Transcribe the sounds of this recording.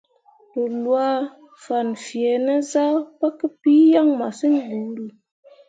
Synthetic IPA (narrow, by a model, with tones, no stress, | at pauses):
lə˨lwa˦ | fa˨nfi˨e˨˦na˦za˦pa˦kə˦pi˦ja˦ŋma˨si˦ŋ˦ɡu˨˦ɾu˨